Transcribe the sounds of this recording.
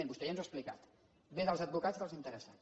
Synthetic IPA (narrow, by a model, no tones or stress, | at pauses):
enbust̪ɛjanzwasplika̰t̪ | mezəlˠzəd̪̚bukat͡skəlˠzint̪əɾəsa̰